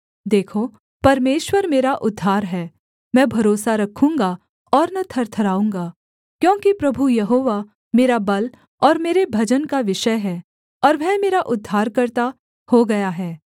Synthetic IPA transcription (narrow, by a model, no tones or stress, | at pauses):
d̪eːkʰo | pɐɾmeːʃwəɾmeːɾaʔʊd̪ʱːaːɾɦɛː | mɛ̃ːbʱɐɾoːsaɾɐkʰũːŋɡa | ɔːɾnɐt̪ʰɐɾt̪ʰɐɾaːũːŋɡaː | kjõːkipɾɐbʱujɐɦoːʋa | meːɾabɐl | ɔːɾmeːɾebʱɐd͡ʒənkaʋɪʃəɦɛː | ɔːɾʋɛ̃ːmeːɾaʔʊd̪ʱːaːɾkɐɾt̪a | hoɡɐjaɦɛː